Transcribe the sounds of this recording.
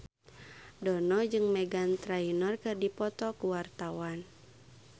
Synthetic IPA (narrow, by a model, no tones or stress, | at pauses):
dɔnɔd͡ʒɨŋmɛɡant̪ɾainɔrkɨrdipɔt̪ɔkuwart̪awan